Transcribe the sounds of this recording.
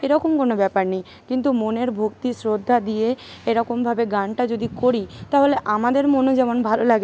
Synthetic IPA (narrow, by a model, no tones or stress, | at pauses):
eɾɔkomkonobɛpaɾnij | kint̪umoneɾbʱokt̪isɾod̪ʱːad̪ije | eɾɔkombʱabeɡanʈad͡ʑod̪ikoɾit̪aɦoleʔamad̪eɾmonod͡ʑɛmonbʱalolaɡe